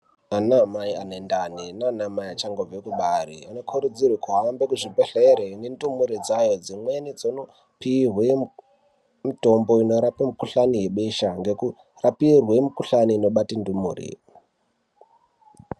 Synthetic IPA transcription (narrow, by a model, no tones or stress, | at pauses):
anamaianendaninanamaiat͡ʃaŋɡoekuɓaɾḭano̞kʰuɾud͡zirwikʰuɦambekuʐibeɬeɾenendumuɾid͡zajo̞d͡zimwenid͡zono | pirwe | mitombo̞ino̞ɾapimikuɬanijeɓeʃaŋɡe̞ku | rapirwemukuɬaniːno̞ɓatindumṵːrḭ